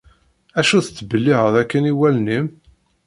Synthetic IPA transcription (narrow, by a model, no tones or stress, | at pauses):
æʃuθət͡sːbəlːiʁəɾˤækːəniwælnim